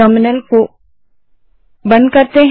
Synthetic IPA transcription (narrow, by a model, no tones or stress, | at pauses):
əmɪnəlko | bɐ̃nd̪̚kɐɾt̪eɦ